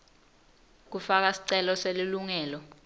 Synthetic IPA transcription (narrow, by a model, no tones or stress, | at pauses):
k̬ufak̬asi̥ǀɛlɔseliluŋɛːlɔ